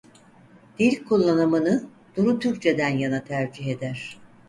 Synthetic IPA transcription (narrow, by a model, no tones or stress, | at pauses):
d̪̥iɾʲkʰulˠːanɯmɯnɯ | d̪̥uɾut̪ʰyɾ̚t͡ʃʰe̞d̪ænjanat̪ʰæɾd͡ʒiɦe̞d̪æɾ̥